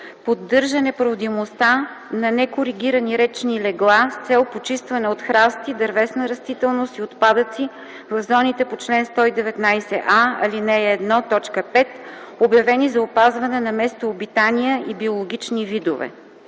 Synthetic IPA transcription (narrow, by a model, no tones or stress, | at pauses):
pod̪ːɤɾʒɐnɛpɾod̪imost̪a | nɐnɛkoɾiɡʲiɾəniɾɛt͡ʃnilɛɡlˠast̪sɛlˠpot͡ʃist̪vɐnɛot̪xɾast̪id̪ɐɾvɛsnəɾɐst̪it̪ɛlˠnost̪iot̪pad̪ət̪si | vɐvzɔnit̪ɛpot͡ʃlɛnst̪ɔid̪ɛvɛt̪najsɛʔaɐ̰linɛːd̪nɔt̪ɔt͡ʃkəpɛt̪objɐvɛnizɐopazvɐnɛnɐmɛst̪oːbit̪aniəʔibiolˠoɡʲit͡ʃnivid̪ovɛ̰